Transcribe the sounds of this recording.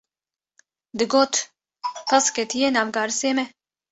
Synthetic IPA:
d̪ɨɡoːt̪ | kɐskɛt̪ʰijenaːvɡɑːɾɨseːmɛ

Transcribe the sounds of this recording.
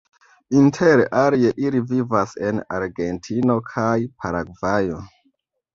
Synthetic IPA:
intʰe̞ɾʔaɾeʔilivivase̞na̰ɾɡe̞ntʰino̞kʰajpʰaɾaɡvajo̞

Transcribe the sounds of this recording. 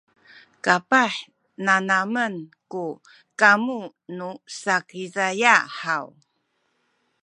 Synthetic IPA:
kapaħ | nanamənku | kamu | nusakizajaħaw

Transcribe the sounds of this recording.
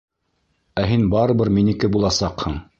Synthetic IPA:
æɦinbɑɾɤ̆βɤɾminikɘbulˠɑsɑqhɤɴ

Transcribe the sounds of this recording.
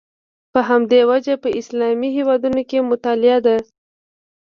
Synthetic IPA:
pəɦamd̪ewad͡ʒapəɪslɑmiɦewɑd̪unokemʊt̪ɑlɪad̪a

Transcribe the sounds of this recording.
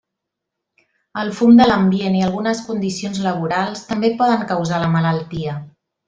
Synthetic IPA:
əlˠfumd̪ələmbieniəlˠɣunəskund̪isionzləβ̞uɾalˠst̪əmbepɔðəŋkəwzaləmələlˠt̪iə

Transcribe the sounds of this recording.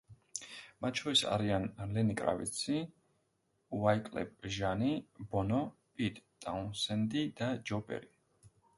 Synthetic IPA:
mat̪̚ʰt͡ʃʰɔɾisa̰ɾianlɛnikʼɾa̰vḭt̪sʰi | uvajkʼlɛ̰p̚ʼʒanibɔnɔ | pʼit̪ʼt̪ʼaunsɛnd̪id̪ad͡ʒɔpʼɛ̰ɾi

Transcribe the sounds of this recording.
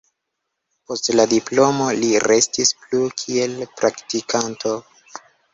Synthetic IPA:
po̞stladiplo̞mo̞liɾe̞stisplukʰie̞lpɾaktikʰantʰo

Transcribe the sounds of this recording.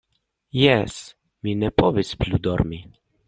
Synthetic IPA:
jɛs | minɛpɔʋesplʲud̪ɔɾmi

